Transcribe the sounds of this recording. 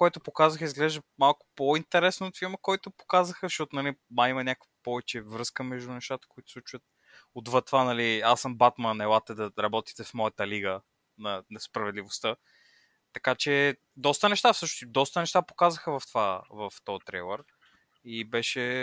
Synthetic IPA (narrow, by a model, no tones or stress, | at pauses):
koɛt̪ʊpokazəxizɡlɛʒd̪əmalˠkʊ̥point̪ɛɾɛsnooːt̪fiɾməkɔjt̪ʊpo̥kazəxəʃɔt̪ʊnɐliaimɐnʲakəvɐpɔvɛt͡ʃɛvɾɤskəmɛʒd̪ʊnɛʃt̪at̪ə̥koit̪ʊ̥sɛt͡ʃuvət̪̚ | od̪vɤt̪vanɐliasəmbat̪mənɛlˠat̪ɛd̪ɐɾɐbɔt̪i̥t̪ɛfmɔjɐt̪əliɡə | nɐnɛspɾɐvɛd̪lʲivost̪ə | t̪ɐkat͡ʃɛ | d̪ɔst̪ənɛʃt̪afsɤʃnosd̪ɔst̪ənɛʃt̪apo̥kazəxəvɐft̪vavɐft̪ɔjt̪ɾɛjlˠəɾ | ibɛʃɛ